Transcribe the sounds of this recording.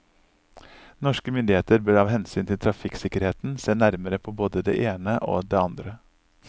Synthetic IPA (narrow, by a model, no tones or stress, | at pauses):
nɔʂkəmʏnd̪ɪheːt̪əɾbœɾɑːʋɦɛnsyːnt̪ʰɪlt̪ʰɾɑfɪksɪkəɾheːt̪n̩seːnæɾməɾəpʰoːboːd̪əd̪ḛːʔeːnəʔo̰ːd̪eːɑnd̪ɾə